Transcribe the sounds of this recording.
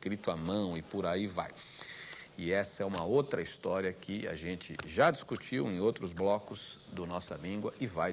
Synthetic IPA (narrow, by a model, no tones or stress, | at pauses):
kɾit̪ʊamɐ̃w̃ɪpʊɾaiva̰j | ɪɛsɐɛũmɐowt̪ɾɐist̪ɔɾiɐkʰɪa̰ʒẽnt͡ʃɪ̰ʒad͡ʒiskut͡ʃiwẽj̃owt̪ɾʊzblɔkʊz̥d̪ʊnɔsɐ̰lĩɡwɐʔɪvaj